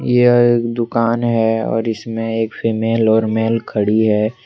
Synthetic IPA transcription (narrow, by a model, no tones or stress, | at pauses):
jeeːkd̪ʊkaːnɦɛɔ̰ːɾɪsmẽeːkfiːmeːlɔːɾmeːlkʰəɽiɦɛː